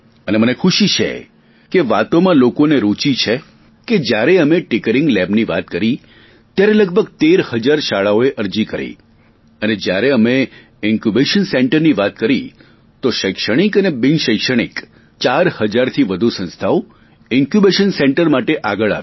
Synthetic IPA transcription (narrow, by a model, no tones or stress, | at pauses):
ənemənekʰuʃit͡ʃʰḛ | keʋat̪omãlokoneɾut͡ʃit͡ʃʰe | ked͡ʒjaɾeəmeʈɪkəɾɪ̃ŋɡlɛbniʋa̰t̪kəɾi | t̪jaɾeləɡ̚bʱəɡ̚t̪eɾhəd͡ʒaɾʃaɭaoeʔəɾd͡ʒikəɾḛ | əned͡ʒjaɾeəme | ɪ̃ŋkjubeʃənseɳʈəɾniʋat̪kəɾi | t̪oʃəjkʃəɽ̃ikənebɪŋʃəjkʃəɽ̃ḭk | t͡ʃaɾhəd͡ʒaɾt̪ʰiʋəd̪ʱusə̃nst̪ʰao | ɪŋkjubeʃənseɳʈəɾmaʈeʔaɡəɭa̰ʋ̃